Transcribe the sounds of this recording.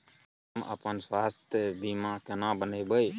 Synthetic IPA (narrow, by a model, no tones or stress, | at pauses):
mə̰pənswaːst̪ʰjəbimãkenãbənəjbəj